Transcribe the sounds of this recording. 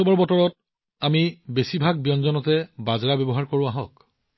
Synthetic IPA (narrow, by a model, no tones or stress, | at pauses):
ɔbɔɹbɔtɔɹɔt̚ | amibesibʱaɡ̚bijɔnzɔnɔtɛbazɹabɔbɔɦaɹkoɹʊ̃aɦɔk